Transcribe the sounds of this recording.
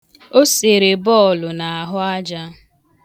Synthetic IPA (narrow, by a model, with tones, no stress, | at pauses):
o˦se˨ɾe˨bɔ˦˨lʊ˨na˨a˨ɦʊ˦a˦d͡ʒa˦